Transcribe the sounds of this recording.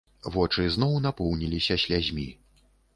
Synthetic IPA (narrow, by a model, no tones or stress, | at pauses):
vɔt͡ʂɨznɔwnapɔwnʲilʲisʲɐɕʲlʲazʲmʲi